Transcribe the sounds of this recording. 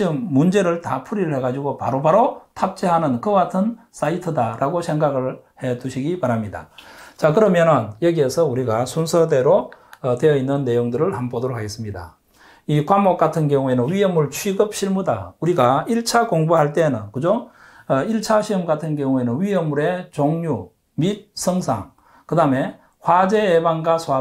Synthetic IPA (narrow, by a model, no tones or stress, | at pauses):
iɯmːund͡ʑe̞ɾɯɭtapʰuɾiɾɯɭheɡad͡ʑiɡopa̰ɾobaɾotʰap̚t͡ɕ͈eɦanɯnkɯɡatʰɯns͈ʰaitʰɯdaɾʔaɡosʰe̞ŋɡaɡɯɭhe̞duɕʰiɡipaɾamɲida̰t͡ɕakɯɾʌmjʌnʌnjʌɡie̞sʰʌuɾiɡasʰunsʰʌde̞ɾo | twe̞jʌinːɯnːe̞joŋdɯɾɯɭhanbodɯɾokɦaɡe̞s͈ɯmɲida̰ | ikwamok̚k͈atʰɯnkjʌŋue̞nɯnɥijʌmːuɭt͡ɕʰwiɡɯp̚ɕʰiɭmuda̰uɾiɡaiɭt͡ɕʰakoŋbuɦaɭt͈e̞nɯnkɯd͡ʑo | ʌiɭt͡ɕʰaɕʰiɯmɡatʰɯnkjʌŋue̞nɯnɥijʌmːuɾe̞t͡ɕoŋɲu | mit̚sʰʌŋsʰa̰ŋ | kɯdame̞ | hwad͡ʑe̞ːbaŋɡasʰoa